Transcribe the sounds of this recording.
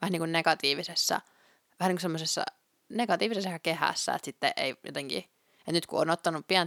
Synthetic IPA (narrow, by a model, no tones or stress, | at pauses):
ʋhniːŋkunneɡɑt̪iːʋisesːɑ̰ | ʋæhæniːkusemːosesːɑ̰ | neɡɑt̪iːʋisesːesɑkehæ̰sːæ̰ḛt̪sit̪ːeʔḛijo̰t̪eŋkḭ | et̪nyt̪kuoːnot̪ːɑnuppiæn